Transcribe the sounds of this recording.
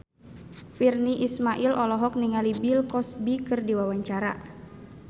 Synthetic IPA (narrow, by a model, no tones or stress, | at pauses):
firniʔismaʔilʔɔlɔɦɔk̚niŋalibilkɔsbikɨrdiwawaɲt͡ʃaɾa̰